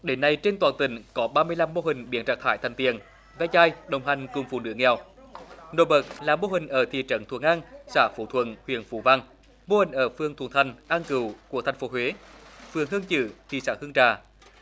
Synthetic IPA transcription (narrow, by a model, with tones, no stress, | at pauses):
ɗe˨˦nːa˧jt͡ɕe˧nt̪waː˨˩nt̪ï˧˩˦ŋ̟kɔ˨˦ɓaː˧mɨ˧əjla˧mːo˧hï˨˩ŋ̟ɓi˧˩ənt͡ɕaː˨˩t̪ʰaː˧˩jt̪ʰa˨˩ŋ̟t̪ḭ˨ən | vaː˧t͡ɕaː˧jɗə˨˩wŋ͡mɦa˨˩jŋ̟kʊ˨˩ŋ͡mfṵ˧˩nɨ˧˥əŋɛ˨˩w | no˧˩ɓə˨˩k̚laː˨˩mo˧ɦï˨˩ŋ̟ʔəː˧˩t̪ʰḭ˧˨ət͡ɕə̰˧˥nt̪ʰwu˧˩əŋʔaː˧ŋsaː˧˩fu˧˩t̪ʰwə̰˧˥nhwḭ˧˨ənfṵ˧˩˦va˧ŋ | mo˧hï˨˩ŋ̟ʔəː˧˩fɨ˨əŋt̪ʰwəŋt̪ʰa˨˩jŋ̟ʔaː˧nkɨ˧˩wku˧˩ət̪ʰɛ˨˩jŋ̟fo˨˦ɦwe˨˦fɨ˨˩əŋɦɨ˧əŋt͡ɕɨ̰˧˩t̪ʰḭ˨˩saː˧˩hɨ˧əŋt͡ɕaː˨˩